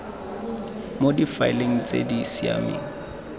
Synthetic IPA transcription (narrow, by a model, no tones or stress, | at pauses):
modifaɪleŋ̩t͡sʼḛdisia̰mḭːŋ̩